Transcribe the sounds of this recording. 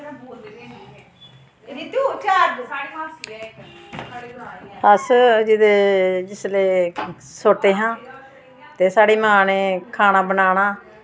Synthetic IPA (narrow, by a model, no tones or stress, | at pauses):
əsd͡ʒɪd̪eːd͡ʒɪsleː | sot̪eːɦãː | t̪eːsaːɽeːmãːneːkʰaːnaːbənaːnaː